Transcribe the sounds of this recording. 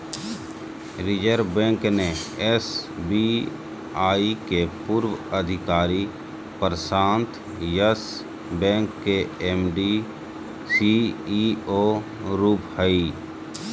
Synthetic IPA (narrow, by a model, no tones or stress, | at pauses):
ɾɪd͡ʒəɾbɛ̃ːŋkneɛsbi | aːikepuːɾwəəd̪ʱɪkaːɾi | pəɾəsãːnt̪ | jəs | bɛ̃ːŋkːeɛːmɖi | si | oː | ɾuːphəi